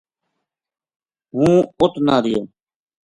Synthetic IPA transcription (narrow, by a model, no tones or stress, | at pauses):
ɦũːʊt̪naːɾɪjoː